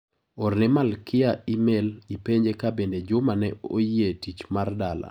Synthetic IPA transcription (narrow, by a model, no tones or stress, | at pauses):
oɾnɪmalkʰɪaimelipeɲd͡ʒekabended͡ʒʊmanɛo̰jietit͡ʃmardala̰